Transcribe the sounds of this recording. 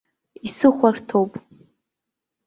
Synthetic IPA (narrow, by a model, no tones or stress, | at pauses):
isɨχʷartʰowpʼ